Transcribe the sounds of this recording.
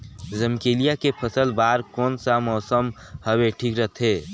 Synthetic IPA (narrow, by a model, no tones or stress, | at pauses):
zəmkeːlijakepʰəsəlbaːɾkɔːnsamɔːsəm | həweʈʰiːkɾət̪ʰɦeː